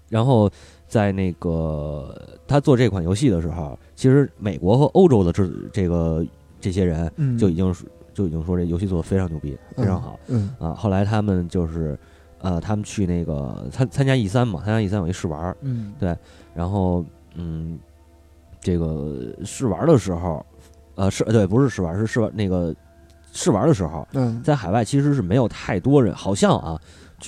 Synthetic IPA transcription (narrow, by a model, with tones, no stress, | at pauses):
ɻa˧˥nxo˥˧ʊ | t͡sa˥˧ɪne˥˩ɪɡə˩ | t̪ʰa˥t͡swɔ˥˧ʈ͡ʂɤ˥˧˥kʰwa˨˩njo˧˥ʊɕ̬i˥˩d̪ə˩ʂɻ̩˧˥xo̰˥˧˩ʊ | t͡ɕʰi˧˥ʂɻ̩˧˥me˨˩ɪkwɔ˧˥xɤ˧˥ʔo˥ʊʈ͡ʂo˥ʊd̪ə˨ʈ͡ʂ̩˥˩ʈ͡ʂe˥˩ɡə˩ | ʈ͡ʂɤ˥˩ɕ̬jɛ˥ɻə˧˥nt͡ɕjo˥˩ʊi˨˩t͡ɕi˥ŋʂt͡ɕjo˥˩ʊi˨˩t͡ɕi˥ŋʂwɔ˥ʈ͡ʂjo˧˥ɕi˥˧t͡swɔ˥˩d̪ə˩fe˥ɪʈ͡ʂʰɑ˧˥ŋt͡ɕjo˥˧ʊpḭ˥˩fee˥ʈ͡ʂʰɑ˧˥ŋxɑ̰˨˩˦ɐ̰˧xo˥˩ʊla˧˥ɪt̪ʰa˥mə˨nt͡ɕjo˥˧ʊʂɻ̩˥˩ | ə˧t̪ʰa˥mə˨nt͡ɕʰy˥˧ne˥˩ɪɡə̰˩t͡sʰa˥nt͡sʰa˥nt͡ɕja˥i˥˩s̬a˥nmɐ˨˩t͡sʰa˥nt͡ɕja˥i˥˧sa˥njʂɻ̩˥˩wɐ̰˧˥t̪we˥˩ɪ | ɻa˧˥nxo˥˧ʊ | n̩˥˩ | ʈ͡ʂe˥˩ɡə˩ʂɻ̩˥˩wɐ̰˧˥d̪ə˨ʂɻ̩˧˥xo˥˧ʊ | ə˧ʂɻ̩˥˩t̪we˥˩ɪpu˧˥ʂɻ̩˥˧ʂɻ̩˥˩wɐ̰˧˥ʂɻ̩˥˧ʂɻ̩˥˩w̰ne˥˩ɡə˩ | ʂɻ̩˥˩wɐ̰˧˥d̪ə˧ʂɻ̩˧˥xo̰˥˧ʊt͡sa˥˩ɪxa˨˩ɪwa˥˩ɪt͡ɕʰi˧˥ʂ̬ɻ̩˧˥ʂ̬ɻ̩˥˩me˧˥ɪjo˨˩ʊt̪ʰa˥˩ɪt̪wɔ˥ɻə̰˧˥nxɑ˨˩ʊɕjɑ˥˧ŋʔɐ̰˧t͡ɕ